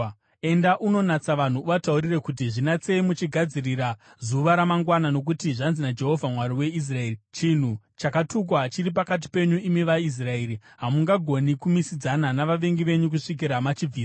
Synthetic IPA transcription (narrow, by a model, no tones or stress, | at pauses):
e̞ndaʔuno̞nat͡saʋan̤uːʋatauɾirekut̬iʐinat͡seimut͡ʃiɡʱad͡ziriɾa | zuʋaɾamaŋɡwanano̞k̬utiʐanzinad͡ʒe̞ɦo̞vʱamwaɾiwe̞is̬rae̞ːrit͡ʃin̤u | t͡ʃakatuk̬wat͡ʃiɾip̬akat̬i̥pe̞ɲuimiʋais̬rae̞ɾiɦamuŋɡaɡʱo̞nikumisid͡zananaʋaʋe̞ŋɡiʋe̞ɲuk̬uʂik̬iɾamat͡ʃiiːs